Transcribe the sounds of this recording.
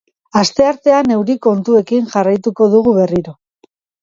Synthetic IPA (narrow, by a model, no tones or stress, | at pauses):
ast̪e̞aɾt̪e̞ane̞wɾiko̞nt̪ue̞kiŋʝarajt̪uko̞ðuɣuβe̞riɾo̞